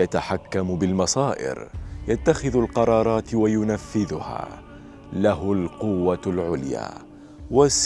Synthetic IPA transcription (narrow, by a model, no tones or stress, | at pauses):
jat̪aħakːambɪlmɑsˤɑːʔɪ̰ɾjat̪ːaxɪðalqɑɾˤɑːɾˤɑːt̪wajʊnafːɪðʊha̰ː | lahʊlqʊwːalʕʊlja̰ː | was